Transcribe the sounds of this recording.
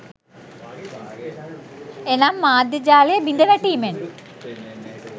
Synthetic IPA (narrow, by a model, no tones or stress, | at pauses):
enaːmːaːd̪ʱjɐd͡ʑaːlijɐbind̪ʱɐnɐʈːiːmen